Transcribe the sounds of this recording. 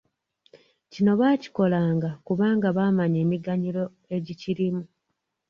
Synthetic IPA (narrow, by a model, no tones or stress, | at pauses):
cino̞βaːci̥ko̞laːŋɡakuβaːŋɡaβaːmaɲe̞ːmiɡaɲiɾo̞ | e̞ɟiciɾimu